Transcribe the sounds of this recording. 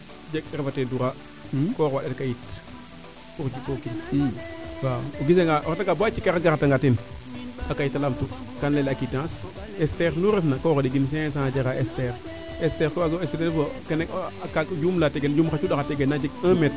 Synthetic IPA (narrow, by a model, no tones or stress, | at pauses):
d͡ʒek̚ɗɾfateːduɾa | koɣwaɗeɾkajit | uɾd͡ʒukokin | kaoɡis̬eŋɡaʔoɾataŋɡabat͡ʃikaɾaɡaɣataŋɡatin | akajitalamtu | kanlelakitãs | esteɾnuɾefnakoɣoɗiɡins̬ẽs̬ãd͡ʒeɣaʔesteɾ | esteɾkoaɡespetenfokanekːkakd͡ʒumlateɡend͡ʒumxat͡ʃuɗaxateɡenːad͡ʒekãmet̚